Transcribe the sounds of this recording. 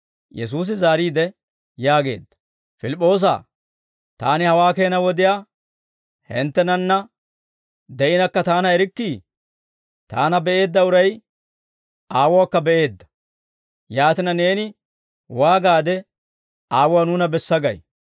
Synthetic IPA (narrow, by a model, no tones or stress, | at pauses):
jɛ̰s̬uːs̬ɪzaːɾiːd̪ɛ | jaːɡe̞̰ːd̪ːɐ̥ | fɪlɪpʼːo̞ːs̬a̰ː | t̪a̰ːnɪhɐwaːke̞ːnɐwɔd̪ɪjaː | hɪ̰nt̪ːɛnɐnːɐ | d̪ɛʔɪnɐkːɐt̪aːnɐɛɾɪkːiː | t̪a̰ːnɐbɛʔe̞ːd̪ːɐʊɾɐj | ʔaːwʊwakːɐbɛʔe̞ːd̪ːɐ̥ | jaːt̪ɪnɐne̞ːnɪ | waːɡaːd̪ɛ | aːwʊwanuːnɐbɛsːɐɡɐ̰j